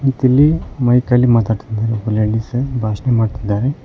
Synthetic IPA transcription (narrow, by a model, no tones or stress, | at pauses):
it̪ilːimɐjkalimat̪aːɽt̪id̪aɾebuleɭisɐbʱaːʃnemaːɖt̪id̪ːaːɾe